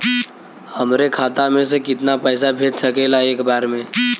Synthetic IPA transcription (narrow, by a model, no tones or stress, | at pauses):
hɐmɾekʰaːt̪amẽs̬ekɪt̪napɛːs̬abʱeːd͡ʒsəkeːlaeːkbaːɾmẽː